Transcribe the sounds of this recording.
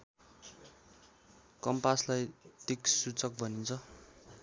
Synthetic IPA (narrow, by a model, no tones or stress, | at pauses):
kʌmpaslajt̪iksut͡sʌk̚bʱʌnint͡sʰʌ